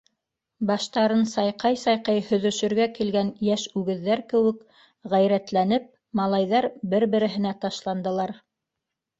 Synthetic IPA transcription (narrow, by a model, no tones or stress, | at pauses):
bɑʃt̪ɑɾɤnsɑjqɑjsɑjqɑjhɵ̆ðɵ̆ʃɵ̆ɾɡækilɡænjæʃʉɡɘ̆ðːæɾkɘ̆wɘ̆k | ʁæjɾæt̪lænɘp̚ | mɑlˠɑjðɑɾbɘɾbɘ̆ɾɘ̆ɦɘ̆næt̪ɑʃlˠɑnd̪ɤ̆lˠɑɾ